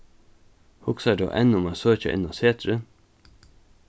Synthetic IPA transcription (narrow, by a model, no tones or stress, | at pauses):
hʊksɑɖɑ̰ʔɛnːʊmɑːsøːçə̰ʔɪ̰nɑseːt̪ɾə